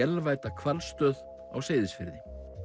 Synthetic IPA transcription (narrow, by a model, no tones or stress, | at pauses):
ɛlvaːjt̪akʰvalst̪œːð | a̰wseːjðɪsfɪɾðɪ